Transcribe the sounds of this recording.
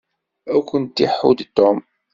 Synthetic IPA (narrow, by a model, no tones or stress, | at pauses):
ækʷənt̪ːiħud̪t̪ːɔm